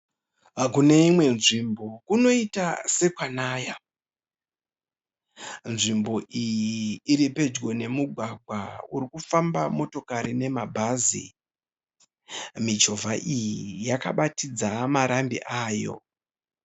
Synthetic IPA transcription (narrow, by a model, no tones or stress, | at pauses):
kune̞imwe̞nʐimbo̞kuno̞itase̞kwanaːja | nʐimbo̞ʔijiiːɾipe̞d͡ʒɡo̞ne̞muɡʱwaɡʱwauɾikufambamo̞to̞kaɾine̞mabʱazḭ | mid͡ʒo̞vʱaʔijijaka̰ɓatid͡zamaɾambḭʔaːjo̞̰